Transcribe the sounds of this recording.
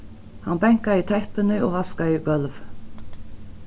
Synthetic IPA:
hanbɛŋ̥kait̪ʰɛhpɪnɪɔːɣaskaɪɡœlv

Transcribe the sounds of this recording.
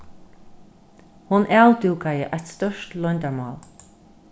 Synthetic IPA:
hʊnʔɛld̪uːɡʰajəʔat̪st̪ɔʃt̪lʊnʲd̪amɔːl

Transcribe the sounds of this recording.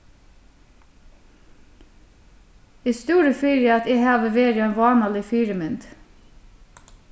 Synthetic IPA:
iːst̪uːɾəfyːɾjɑɑt̪ehɑːʋəʋeːɾəeːnʋɑːnɑlɪfyːɾəmʏnd̪

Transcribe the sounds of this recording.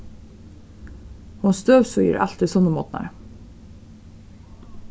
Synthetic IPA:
hʊnst̪øːʋsœjə̰ɾʔɑ̰lt̪ɪsɔnəmɔt̪nɑ̰ɾ

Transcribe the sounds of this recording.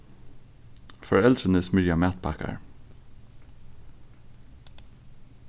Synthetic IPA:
fɔɹɛld̪ɾənəsmʏɾjɑmæːt̪̚pʰɑkɑ̰ɹ

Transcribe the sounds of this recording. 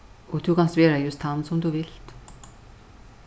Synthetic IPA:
ɔt̪ʰukʰansʋeːɾajʊst̪ʰːansʊmt̪uʋɪɬt̪

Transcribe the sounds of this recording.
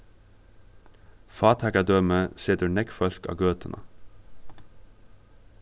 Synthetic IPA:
fɑːt̪ʰækɑd̪øːməsɪt̪əɳɛkfœɬkɑ̰ːɡøːt̪ənʔə̰

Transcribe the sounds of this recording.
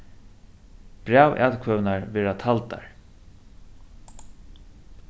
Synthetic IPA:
b̥ɾæːwʔa̰t̪kʰvœwnaɹvɛːɾat̪ʰalt̪a̰ɹ

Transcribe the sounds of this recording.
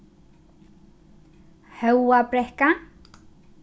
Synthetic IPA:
hɛwwapɾɛhka

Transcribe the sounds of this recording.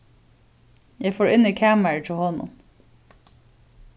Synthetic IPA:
jæɪfoːɹɪnɪkʰæːməɹtʰɪlˠhɔnʊ̰n

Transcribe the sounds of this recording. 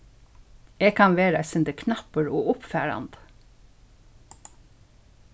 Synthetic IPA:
eːɡ̚kʰɑnʋeːɾɑsɪnd̪əkʰnɑpəɹoːʊpfæːɹɑ̰nd̪

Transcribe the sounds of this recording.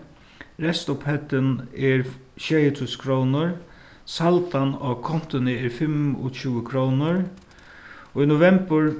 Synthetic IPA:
ɾɛst̪ʊphɛt̪ənɛɹʃɛːjət̪ʰuskʰɾownʊɹ | salt̪anɔkʰɔn̥t̪ʊnɪɛɾfɪmɔ̰t͡ɕʉːəkʰɾownʊɾ | ɔinʊvɛmpəɹ

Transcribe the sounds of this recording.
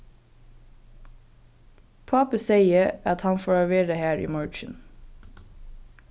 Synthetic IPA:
pʰɑpəseɪəɑt̪hɑnfoːɹɑʋeːɾəhæːɹʔḭːmɑɹt͡ʃən

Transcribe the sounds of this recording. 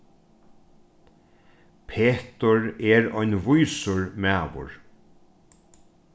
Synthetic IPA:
pʰeːt̪ʊɹɛɾɔjnvʊjsʊɹmæːʋʊ̰ɹ

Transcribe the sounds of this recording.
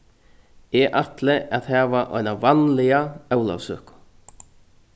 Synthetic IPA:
ɛʔat̪lɪʔaðhɛːvaʔɔ̰jnavanlɪaœwla̰vsœ̰ːkʊ̥

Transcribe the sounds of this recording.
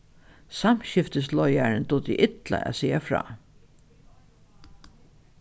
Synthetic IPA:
samɕɪft̪əslɔjaɹənt̪ut̪ḭʔɪt̪la̰æ̰siːafɾɑ̰ː

